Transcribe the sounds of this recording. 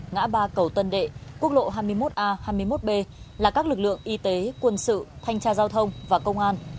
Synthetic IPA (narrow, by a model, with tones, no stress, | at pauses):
ŋa̰ː˧˥ɓaː˧kə˨˩wt̪ə˧nɗḛ˧˨ku˦˥ək̚ɗo̰˧˨ɦaː˧jmɨ˧əjmo˦˥t̚ʔaː˧haː˧jmɨ˧əjmo˦˥t̚ɓe˧laː˨˩kaː˦˥k̚lɨ˨˩k̚lɨ̰˧˨əŋʔi˧t̪e˨˦kwə˧nsɨ̰˧˨t̪ʰa˧jŋ̟t͡ɕaː˧zaː˧wt̪ʰə˧wŋ͡mvaː˨˩kə˧wŋ͡mʔaː˧n